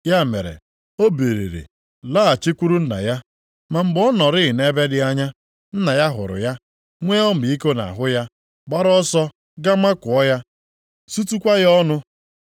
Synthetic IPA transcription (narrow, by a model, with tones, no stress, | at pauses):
ja˦˨mḛ˨ɾḛ˨ | o˦be˨ɾḛ˨ɾḛ˨ | laː˦a˨t͡ʃi˦kʷu˦ɾu˦n̩˦na̰˨ja˦ | ma˨m̩˦ɡ͡bɔ˦nɔ˨ɾɪ˦˨ɪ˨ne˦be˦dɪ˦a˦ɲa˦ | n̩˦na˨ja˦ɦʊ̰˨ɾʊ̰˨ja˦ | ŋʷe˦ɔ˦m̩˨bi˦ko˦na̰˨ɦʊ˦ja˦ | ɡ͡ba˦ɾɔ˦sɔ˦ | ɡa˦ma˦kʊ˨ɔ˦ja˦ | su˦tu˦kʷa˦ɣɔ˦nʊ˦